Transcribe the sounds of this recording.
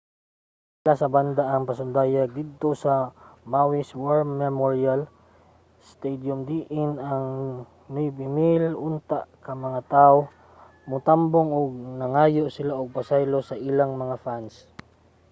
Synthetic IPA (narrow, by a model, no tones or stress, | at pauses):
sɪlasɐband̪aʔɐŋpɐsʊnd̪aːjaɡ̚d̪id̪̚t̪o̞sɐmawɪswaɹmːɛmoɹial | st̪ɛjd̪jʊmd̪iʔɪnɐŋ | nʊjbɪmɪlʔʊnt̪aʔkɐmɐŋat̪ao | mʊt̪amboŋʊɡ̚nɐŋaːjoʔsɪlaʔoɡ̚pɐsajlosɐʔɪlaŋmɐŋafans